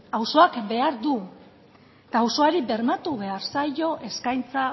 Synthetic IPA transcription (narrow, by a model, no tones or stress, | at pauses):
awso̞akbe̞aɾd̪u | t̪aːwso̞aɾibe̞ɾmat̪uβe̞aɾsajo̞ʔe̞skajnt͡sa